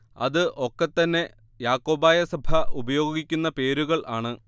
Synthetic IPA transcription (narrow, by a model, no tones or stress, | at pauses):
ɐ̰ðɨʔo̞kːet̪ːɐnːe̞ | jaːkːo̞ːbaːjɐsɐbʱɐʔubɐjo̞ːɡikʲːunːɐpe̞ːɾuɣɐɭʔaːɳɨ